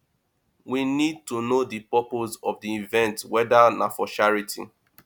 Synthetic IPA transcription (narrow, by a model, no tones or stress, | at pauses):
winid̚tunodipɔpozɔvdiːvɛ̃ntwɛdanafɔʃaɹitʰḭ